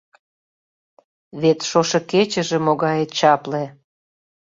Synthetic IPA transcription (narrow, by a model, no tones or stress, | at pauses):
βet̪ʃoʃɤ̆ket͡ɕə̆ʒĕmoɣɑjet̪̚t͡ɕɑple